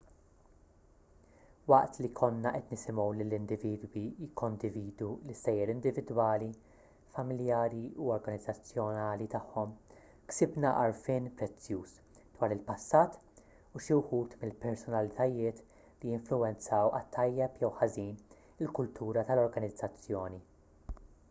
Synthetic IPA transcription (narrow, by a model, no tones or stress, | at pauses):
wɐʔt̪likʰɔnːɐʔɛt̪nɪsɪmɔwlɪlːɪnd̪ɪviːd̪wijɪkːɔnd̪ɪviːd̪ulɪsːɛjɛɾɪnd̪ɪvɪd̪wɐːli | fɐmɪljɐːɾiuɔɾɡɐnɪd͡zːɐt͡sːjɔnɐːlit̪ɐħːɔm | ksɪbnɐʔɐ̰ɾfɪːnpɾɛt͡sːjuːs | d̪̥wɐːɾɪlpɐsːɐːt̪ | uʃiwħuːt̪mɪlpɛɾsɔnɐlɪt̪ɐjɪːt̪ | lijɪɱflʊwɛnt͡sɐːwɐ̰t̪ʰːɐjːɛpjɛwħɐziːn | ɪlkʊlt̪ʰuːɾɐt̪ɐlɔɾɡɐnɪd͡zːɐt͡sːjɔːni